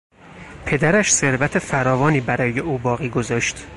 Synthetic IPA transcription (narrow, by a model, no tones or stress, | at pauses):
pʰe̞d̪æɾæʃse̞ɾvæt̪ʰe̞fæɾɒːvɒːniːbæɾɒːjeuːbɒːɣiːɡo̞zɒːʃt̪